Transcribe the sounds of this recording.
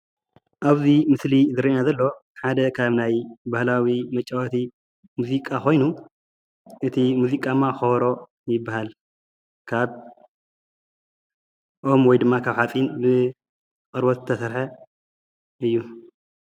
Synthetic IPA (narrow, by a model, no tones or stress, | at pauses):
ʔaβzimɨslizɨɾinazɐlːo̞ħad̪ɐkʰaβnajbahlawimɐt͡ʃʼːɐwɐt̪ʰi | muzikʼaxo̞jnu | ʔɨt̪ʰimuzikʼamːaxoβɾo̞ | jɪbːahal | kʰaβ | ʔomwɔjd̪ɨmːakʰaβħat͡sʼinbɨ | kʼɨɾbot̪ɨt̪ʰɐsɐɾħɐ | ɨjːu